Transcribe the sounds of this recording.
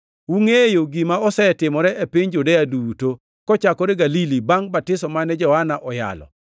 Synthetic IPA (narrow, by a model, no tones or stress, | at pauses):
uŋejoɡimaɔsɛtɪmɔɾɛʔepɪɲd͡ʒudɛjaduːto | kɔt͡ʃakɔɾɛɡalilibaŋbatɪsɔmanɛd͡ʒɔhanaʔɔja̰lɔ̰